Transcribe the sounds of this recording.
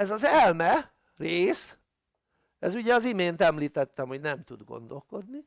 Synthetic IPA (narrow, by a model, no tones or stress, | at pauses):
ɛzɒzɛlmɛ | reːs | ɛzuɟɛɒzimeːnt̪ɛmliːt̪ɛt̪ːɛmhoɟnɛmt̪ud̪ɡo̞̰nd̪o̞lko̞d̪ni